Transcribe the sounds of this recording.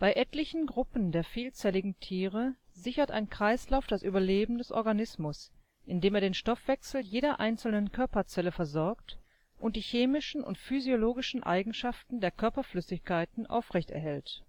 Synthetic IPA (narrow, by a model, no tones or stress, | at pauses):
b̥aɪʔɛtlɪçn̩ɡʁʊpn̩deːɐfiːlt͡sɛlɪɡŋ̩tʰiːʁ̞əzɪçɐtʔa̰ɪnkʁ̥aɪslaʊfd̥asʔyːbɐleːbm̩dɛsʔɔ̰ɐɡanɪsmʊs | ʔɪndeːmeːɐdeːnʃtɔfv̥ɛksl̩jeːɾɐʔa̰ɪnt͡sl̩nənkʰœɐpɐt͡sɛləfɛɐzɔɐkt | ʔʊnt̚d̥iːçeːmɪʃn̩ʊ̰ntfyzijoloːɡɪʃn̩ʔa̰ɪɡŋ̩ʃaftn̩deːɐkʰœɐpɐflʏsɪçkʰaɪtn̩ʔa̰ʊfʁɛçtɛ̰ɐɦɛlt